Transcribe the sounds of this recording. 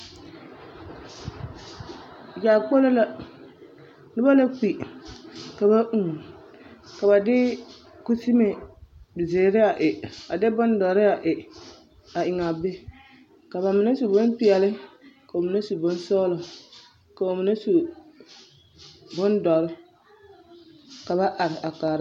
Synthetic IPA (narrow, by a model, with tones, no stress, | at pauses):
ja˨k͡po˦lo˦la˦ | dʊ˦ba˦la˦k͡pi˨ | ka˨ba˦ʔu˨ŋ˨ | ka˨ba˨dɪ˦ | ku˦si˦me˨bɪ˨zeː˨ɾɪ˦a˨ʔɪ˨a˨dɪ˦bʊ˦ndɔ˨ɾɪ˦a˨ʔɪ˨ | a˨ʔɪ˨ŋa˨be˦ | ka˨βa˨mɪ˨na˦su˨bʊ˦npɪ˨ɛ˨lɪ˦ka˨o˨mɪ˨na˦su˨bʊ˦n˦sɔː˦lʊ˨ | ka˨o˨mɪ˨na˦su˨ | bʊ˦ndɔ˨ɾɪ˦ | ka˨βa˦ʔa˨ɾɪ˨ʔa˨kaː˨ɾa˦